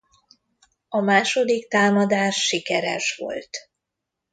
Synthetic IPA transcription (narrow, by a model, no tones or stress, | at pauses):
ɒmaːʃo̞d̪ikt̪aːmɒd̪aːʃːikɛɾɛ̰ʃʋo̞̰lt̪